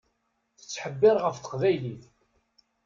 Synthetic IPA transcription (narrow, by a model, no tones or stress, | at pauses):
θə̥t͡sːħəbːɪɾˤʁəfθə̥qvæjliθ